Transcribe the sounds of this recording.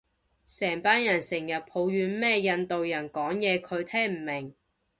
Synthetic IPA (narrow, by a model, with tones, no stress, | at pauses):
sɛː˨˩ŋpaː˥njɐ˨˩nsɪ˨˩ŋjɐ˨t̚pʰo˨˧wjyː˨˧nmɛː˥jɐ˧nt̪o˨wjɐ˨˩nkɔː˨˥ŋjɛː˨˧kʰɵ˨˧ɥt̪ʰɛː˥ŋm̩˨˩mɪ˨˩ŋ